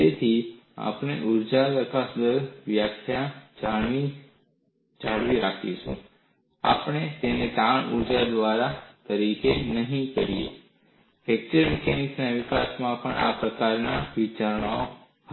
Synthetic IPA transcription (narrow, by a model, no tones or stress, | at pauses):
et̪ʰia̰pɳ̃eʔuɾd͡ʒaʋəkasd̪əɾʋjakʰjad͡ʒai | d͡ʒaɭʋiɾakʰit͡ʃṵ̃ | a̰pɳ̃et̪enet̪aɳuɾd͡ʒad̪ʋaɾat̪əɾikenəɦĩkəɾijḛ | fʰek̚t͡ʃəɾmikɛniksnaʋikasmãpəɳʔa̰pɾəkaɾnaʋit͡ʃaɾɳ̃ao